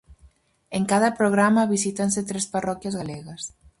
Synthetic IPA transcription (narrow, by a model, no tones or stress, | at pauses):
eŋkaðɐpɾoɣ̞ɾamɐβisit̪ans̬et̪ɾesparɔkjazɣaleɣɐs